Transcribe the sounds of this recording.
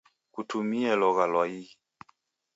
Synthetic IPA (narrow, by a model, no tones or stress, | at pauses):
kutumiɛlɔɣalwaiɣi